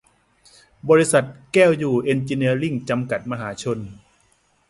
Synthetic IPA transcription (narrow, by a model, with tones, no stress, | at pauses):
bɔː˧ɾi˧˥sa˨˩t̪̚kɛː˥˩wjuː˨˩ʔe˧nt͡ɕiː˧ni˧ɐli˥˩ŋt͡ɕa˧mka˨˩t̪̚ma˧ɦaː˩˦t͡ɕʰo˧n